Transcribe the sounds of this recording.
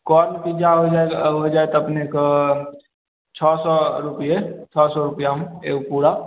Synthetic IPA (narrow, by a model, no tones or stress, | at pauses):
kɔːɾnkid͡ʒaɦoaɦod͡ʒaːet̪oɐpneko | t͡ʃʰɔːsɔɾʊpjet͡ʃʰɔːsɔɾʊpijaɦmḛːkpuːɽa